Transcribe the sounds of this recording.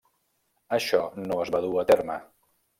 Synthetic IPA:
əʃɔnoəzβaðuət̪ermə

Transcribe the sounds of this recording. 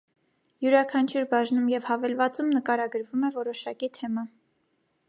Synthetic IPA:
juɾɑkʰɑnt͡ʃʰuɾbɑʒnumjɛvhɑvɛlvɑt͡sumnəkɑɾɑɡəɾvumɛvɔɾɔʃɑkit̪ʰɛmɑ

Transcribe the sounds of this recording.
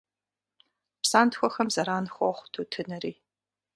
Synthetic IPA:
psaːntxʷɔxɐmzɐɾaːnxʷɔχʷtʰutʰɨnɐɾiː

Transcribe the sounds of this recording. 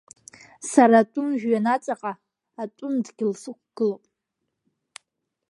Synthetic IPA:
saɾatʼʊmʒᶣɥanat͡sʼaqʼaː | tʷʼʊmdɡʲɪlsɨk̚ʷʰʼɡ̥ɨlowpʼ

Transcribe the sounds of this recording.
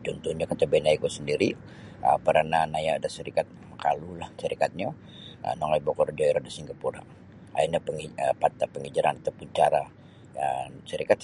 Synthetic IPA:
d͡ʒɔnt̪uɲakət̪əbɛnaikusəndiɾi | ə̰pəɾananajaːdasəɾikat̪̚makalulahsəɾikat̪̚ɲa | ə̰nɔŋajbokɔrd͡ʒɔiɾadasiŋɡapuɾa̰ | a̰inapəŋiəat̪apəŋid͡ʒəɾanat̪awpuɲt͡ʃaɾa | səɾikat̪

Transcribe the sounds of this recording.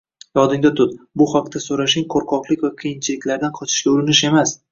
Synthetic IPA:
jɒd̪ɪŋd̪at̪ʰʊt̪bʊhaq̚t̪ʰasoɾaʃɪŋqʰoɾqʰɒqlˠɪkʲvakʰijɪnt͡ʃʰɪlɪkʲlaɾd̪anqʰɒt͡ʃʰɪ̥ʃkʲaʊɾɪnɪʃe̞mas

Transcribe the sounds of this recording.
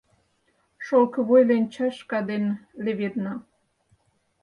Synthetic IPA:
ʃolkə̆βojlent͡ɕɑʃkɑd̪enleβernɑ

